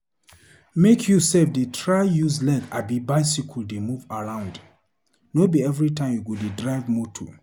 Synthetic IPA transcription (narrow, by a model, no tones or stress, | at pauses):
mekʰjusɛfdetʰɹajuzlɛɡa̰bibajsikʰuldemuvaɹãʊ̃nd | nobiɛvɹitʰãɪ̃mjuɡudedɹajvmotʰo̰